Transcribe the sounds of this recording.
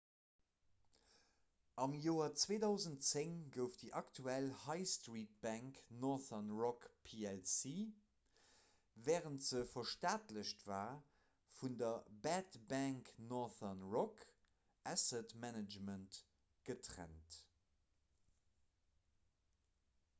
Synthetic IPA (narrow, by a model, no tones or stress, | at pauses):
ʔɑmjoːɐt͡sveːdɑʊzəntt͡seŋɡəʊfdiʔɑktʰuælhɑɪstʁiːt̚b̥æŋknɔθɐnʁɔkpʰiɛlsiː | vɛːʁəntz̥əfɐʃtaːtləɕtv̥aː | fundɐbætbæŋknɔθɐnʁɔk | ʔæsətmænəd͡ʒmənt | ɡ̥ətʁæ̰nt